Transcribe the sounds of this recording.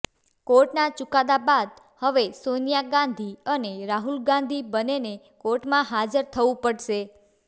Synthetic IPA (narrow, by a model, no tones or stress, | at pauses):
koʈnat͡ʃʊkad̪abad̪̚ | həʋesonijaɡãnd̪ʱiəneɾaɦulɡãnd̪ʱibənene | koʈmãɦad͡ʒəɾt̪ʰəʋũpəɽʃe